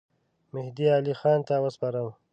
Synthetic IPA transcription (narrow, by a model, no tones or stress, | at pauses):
mɪhd̪iɑːlixɑːnt̪awəspɑɾəm